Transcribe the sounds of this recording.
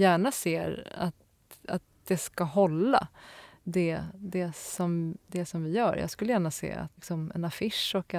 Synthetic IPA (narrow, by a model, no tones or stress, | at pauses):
jæːɳaseːɾa̰t̪ | at̪̚d̪̥ɛskaɦɔlːa̰d̪ɛd̪ɛsɔmd̪ɛsɔmvɪjœːɾjʔɑ̰ːɡskɵləjæːɳasḛːa̰t̪ksɔmɛ̰nafɪʂɔkɛ